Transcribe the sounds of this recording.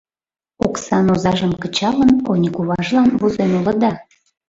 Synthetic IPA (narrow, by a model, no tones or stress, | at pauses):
oksɑnozɑʒəmkət͡ɕɑlənonʲikuβɑʒlɑnβuzenulə̆d̪ɑ